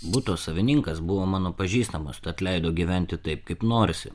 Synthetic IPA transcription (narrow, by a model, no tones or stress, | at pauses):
bʊt̪oːsɐʋʲɪnʲɪŋkɐsbʊʋoːmɑːnoːpɐʒʲiːst̪ɐmost̪ɐɐt̪ʲlʲɛɪd̪oːɡʲiːʋʲɛnʲt̪ʲɪt̪ɐɪp̚kɐɪpnoːɾʲɪsʲɪ